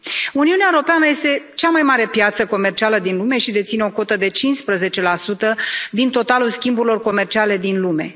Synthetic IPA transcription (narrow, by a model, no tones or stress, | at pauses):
uniuneaeɾopeanəje̞st̪e̞t͡ʃamajmaɾe̞pjat̪səko̞mert͡ʃialəd̪inlume̞ʃid̪e̞t̪sineo̞ko̞t̪əd̪e̞t͡ʃinspɾəze̞t͡ʃe̞lasut̪əd̪int̪o̞t̪alulskʲimbuɾilo̞rko̞me̞rt͡ʃiale̞d̪inlume̞̰